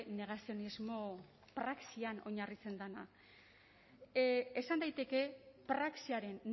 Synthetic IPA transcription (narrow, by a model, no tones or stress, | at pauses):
ne̞ɣ̞asio̞nizmo̞ | pɾaksiano̞ɲarit͡se̞nd̪ana̰ | esand̪ajt̪e̞ke̞pɾaksiaɾe̞n